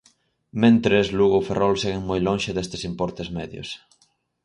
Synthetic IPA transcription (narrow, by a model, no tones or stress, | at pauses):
mẽnt̪ɾezluɣoferʔɔlseɣeŋmojloŋʃɪðest̪esimpɔɾt̪ezmɛðjʊ̰s